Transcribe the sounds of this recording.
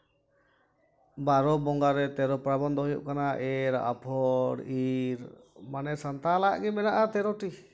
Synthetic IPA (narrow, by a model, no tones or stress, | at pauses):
baɾɔbɔŋɡaɾɛt̪ɛɾɔpɾabɔnd̪ɔɦojṵʔkanaʔɛɾ̰ʔa̰pʰɔɽiɾmanɛsant̪alaʔɡɛmɛnaʔat̪ɛɾɔʈi